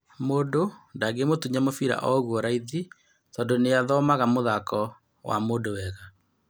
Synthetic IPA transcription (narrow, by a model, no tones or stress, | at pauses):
moːdondaɡemotuɲamofiɾa̰ʔɔɣwɔɾaiði | tɔdoneaðɔmaɣamoðakʰɔ | wa̰moːdowɛɣa